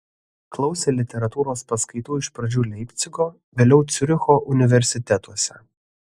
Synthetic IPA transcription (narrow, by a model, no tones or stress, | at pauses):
klˠɒʊsʲeːlʲɪt̪ʲɛɾɐt̪uːɾoːspɐskɐɪt̪uːɪʃpɾɐd͡ʒʲuːlʲɛɪpʲt̪sʲɪɡoː | ʋʲeːlʲɛʊt̪sʲʊɾʲɪxoːʔʊnʲɪʋʲɛɾʲsʲɪt̪ʲɛt̪uɔsʲɛ̰